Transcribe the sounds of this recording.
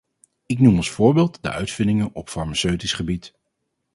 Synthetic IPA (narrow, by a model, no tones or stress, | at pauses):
ɪknumɔnˠsfʊːɹbeɪːlˠtdə̰ʔœɥtfɪndɪŋənɔpfɑɹmasøɥtisχəbit